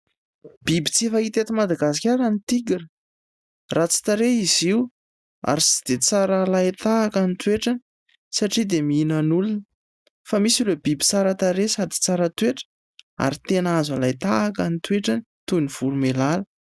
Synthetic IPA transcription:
b̥ibit͡sefait̪et̪imad̪aɡas̬i̥kʲaɾanit̪iɡiɾə | rat͡si̥t̪aɾeiziw | a̰ɾisi̥d̪̥et͡saɾalajt̪aːkanit̪weʈ͡ʂani̥ | saʈ͡ʂid̪emiinanulunə | famisileb̥ibit͡saɾat̪aɾesad̪i̥t͡saɾət̪weʈ͡ʂə̥ | a̰ɾit̪enazalajt̪aːkanit̪weʈ͡ʂanit̪univ̥uɾumelalə

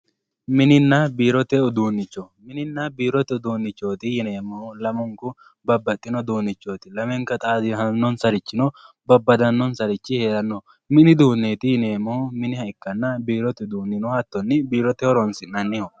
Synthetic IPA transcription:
mɪnɪnːɐbiːɾɔt̪ɛʊd̪uːnːɪt͡ʃːɔmɪnɪnːɐbiːɾɔt̪ɛʊd̪uːnːɪt͡ʃːo̞ːt̪ɪjɪneːmːɔlɐmɔŋkʊ | bɐbːɐt̪ʼːɪnɔd̪uːnːɪt͡ʃːoːt̪ɪlɐmɛŋkɐt̪ʼaːd̪ɪɦɐnːɔnsɐɾɪt͡ʃːɪnɔ | bɐbːɐd̪ɐnːɔnsɐɾɪt͡ʃːɪheːɾɐnːɔ | mɪnɪd̪uːnːeːt̪ɪjɪneːmɔmɪnɪhɐɪkːɐnːɐbiːɾɔt̪ɛd̪uːnːɪnɔhɐt̪ːɔnːɪbiːɾɔt̪ɛhɔɾɔnsɪnɐnːɪhɔ

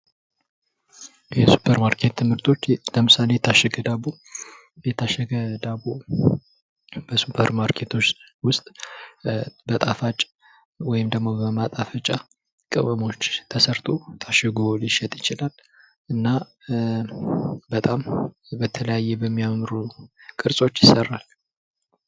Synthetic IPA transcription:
jɛsu̥pʰəɾmaɾkʰe̞t̪ʰːɨmhɨɾt̪ʰo̞t͡ʃːləmɨsale̞jɛt̪ʰaʃːɛɡəd̪abo | jɛt̪ʰaʃːəɡəd̪abo | bəsupʰəɾmaɾkʰe̞t̪ʰo̞t͡ʃː | wʊst̪ʼ | bət̪ʼafat͡ʃʼ | wɔjɪmd̪əɡmo̞bəmat̪ʼafət͡ʃʼːa | kʼɨ̰βəmo̞t͡ʃːt̪ʰəsəɾt̪ʰot̪ʰaʃɛɡoliʃɛt̪ʼjɪt͡ʃɪlal | ɨnːa | bət̪ʼambət̪ʰələjajːɛbəmːijamɾukʼɨɾsʼo̞t͡ʃːjɪsərːal

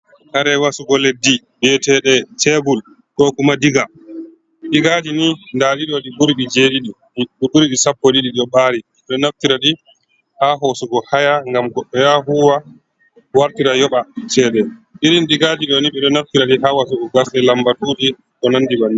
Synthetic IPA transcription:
haɾɛwasuɡɔledːi | bɛtɛɗɛtɛbul | kɔkumadiɡa | ɗiɡad͡ʒinindaɗiɗɔɗibuɾiɗid͡ʒeɗiɗi | ɗiɓuɾiɗisapːɔɗiɗiɗɔɓaːɾi | ɛɗɔnaftiɾaɗi | haɦosuɡɔhajaŋɡamɡɔɓɔjaɦuwa | waɾtiɾajɔɓasɛɗɛɗiɾinɗiɡad͡ʒiɗɔniɓɛɗɔnaftiɾaɗiɦawasuɡɔɡasɗɛlambatuɗi | kɔnandibani

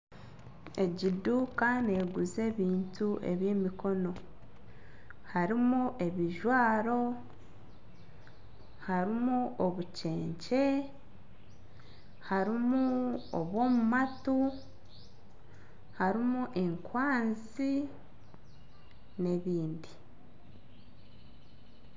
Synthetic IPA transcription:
e̞ɟiduːkane̞ːɡuze̞ːβiːntuʔe̞̰βje̞ːmiko̞no̞ | haɾimuʔe̞βiʒwaːɾo̞ | haɾimuoβuce̞ːɲce̞ | haɾimuoβwo̞ːmumatu | haɾimuʔe̞ŋkwaːnz | i | ne̞βiːndi

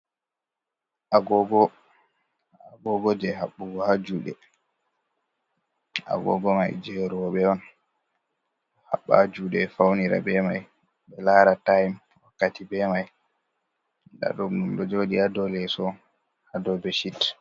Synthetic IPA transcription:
ʔaɡɔɡɔ | aɡɔɡɔd͡ʒɛɦaɓːuɡɔhad͡ʒuːɗɛ̰ | a̰ɡɔ̰ɡɔma̰jd͡ʒɛɾuwɔɓɛwɔn | ha̰ɓːa̰d͡ʒuɗɛfawniɾa̰bɛmaj | ɓɛlaɾatajm | wakːatibɛmaj | da̰ɗumɗumɗɔd͡ʒoɗiadɔlɛsɔ | adɔbɛʃit

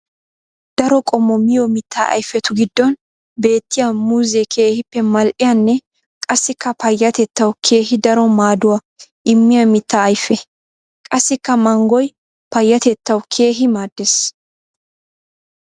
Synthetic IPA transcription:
d̪̥ɐɾɔkʼɔmːɔmɪjɔmɪt̪ːa̰ɐ̰jfːɛt̪ʊɡɪd̪ːɔn | be̞ːt̪ːɪjamuzɛkʰe̞ːhɪpːɛmɐlʔɪjɐnːɛ | kʼɐsːɪkːɐpɐjːɐt̪ɛt̪ːɐwkʰe̞ːɦɪd̪ɐɾɔmaːd̪ʊwa | ʔɪmːɪjɐmɪt̪ːaːjfːɛ | kʼɐsːɪkːɐmɐŋɡɔj | pɐjːɐt̪ɛt̪ːɐwkʰe̞ːɦɪmaːd̪ːes

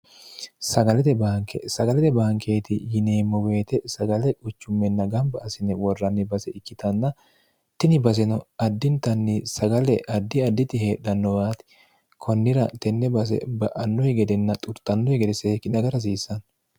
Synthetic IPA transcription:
sɐɡɐlɛt̪ɛbaːŋkḛsɐɡɐlɛt̪ɛbaːŋkʰeːt̪ɪjɪneːmːɔwe̞ːt̪ɛsɐɡɐlɛʔʊt͡ʃːʊmːɛnːɐɡɐmbɐːsɪnɛwɔrːɐnːɪbɐsɛɪkːɪt̪ʰɐnːɐ | t̪ɪnɪbɐs̬ɛnɔɐd̪ːɪnt̪ɐnːɪsɐɡɐlɛʔɐd̪ːɪɐd̪ːɪt̪ɪheːᶑ̪ɐnːɔbaːt̪ɪ̥ | kʰɔnːɪɾɐt̪ɛnːɛbɐs̬ɛ̰bɐʔɐnːɔjɛɡɛd̪ɛnːɐt̪ʼʊɾt̪ːɐnːɔɛɡɛd̪ɛseːkːɪnɐɡɐɾɐs̬iːsːɐn

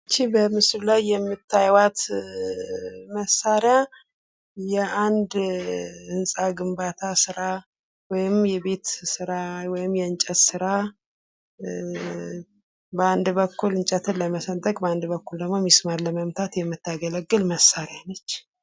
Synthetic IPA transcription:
ɨt͡ʃːibəmɨsllajːɛmːɨt̪ʰːajwat̪ | məsːaɾɪja | jɛʔand̪ | ɨnsʼaɡɨmbat̪ʰasɨɾa | wɔjɪmjɛbe̞t̪sɨɾawɔjɪmjɛɨnt͡ʃʼət̪sɨɾa | bəand̪bəkːulɨnt͡ʃʼət̪ʰɨnləməsənt̪ʰʼəkʼbəand̪bəkːuld̪əɡmomːismaɾləməmt̪ʰat̪jɛmːɨt̪ːaɡələɡːɨlməsːaɾjanət͡ʃː

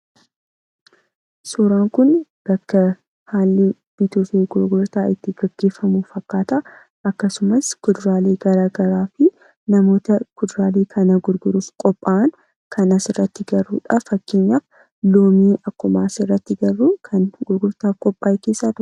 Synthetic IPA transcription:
suːɾaːŋkʊnb̥ɐkːɐ | haːlːi | b̥it̪oːseːɡʊɾɡʊɾt̪aːʔɪt̪ːɪɡ̥ɐɡ̥ːe̞ːfːɐmuːfɐkːaːt̪a | ʔɐkːɐsʊmɐskʊd̪ʊɾaːleːɡɐɾaːɡɐɾaːfɪ | nɐmo̞ːt̪ɐkʊd̪ɾaːleːkʰɐnɐɡʊɾɡʊɾuːfkʼɔpʼːaːn | kʰɐnɐsɪrːɐt̪ːɪɡɐrːṵːᶑɐfɐkːe̞ːɲːaːf | loːmiːʔɐkːʊmaːsɪrːɐt̪ːɪɡɐrːuːkʰɐnɡʊɾɡʊɾt̪aːfkʼɔpʼːaːjke̞ːsːaːt̪ʊ

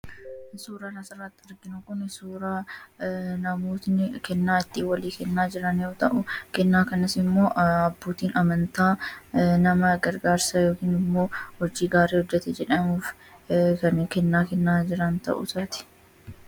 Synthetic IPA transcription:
ɪsuːɾaːnɐsɐɾaːt̪ːɪɐɾɡɪnʊkʊnɪsuːɾaː | nɐmoːt̪nɪkɛnːaːɪt̪ːiːwɐliːkɛnːaːd͡ʒɪɾɐnoːt̪ɐʔʊkɛnːaːkɐnɪsɪmːo̞ːʔɐbːuːt̪iːnɐmɐnt̪aːnɐmɐɡɐɾɡaːɾsɐjo̞ːkiːnɪmːo̞ːhɔd͡ʒiːɡaːɾeːhɔd͡ʒːɛt̪ɛd͡ʒɛᶑɐmuːf | kɐnkɛnːaːkɛnːaːd͡ʒɪɾɐnt̪ɐ̰ʔʊ̰saːt̪ɪ̥

